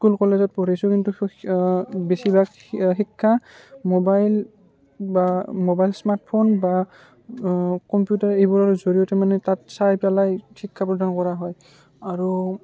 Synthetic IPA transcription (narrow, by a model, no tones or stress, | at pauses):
skulkɔlezɔt̚pɔɹisʊkintu | besibaɡ | xikʰːa | mɔbajl | bamɔbajlsmaɹt̚pʰonba | kɔmpjutaɹejbɔɹaɹzoɹijɔtɛmanɛtatsajpalajxikʰːapɹɔdʱankɔɹaɦɔj | aɹu